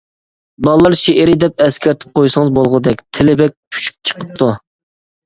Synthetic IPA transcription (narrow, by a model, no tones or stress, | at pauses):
bɑlˠlːˠɑɾʃeʔɪɾɪd̪ɛp̚ɛskʲæɾt̪ʰɪ̥p̚qʰojsəŋəzbolˠʁəd̪ɛkʲt̪ʰɪlɪbɛk̚ʲkʲʰy̥t͡ʃʰy̥p̚t͡ʃʰə̥qʰə̥p̚t̪ʰu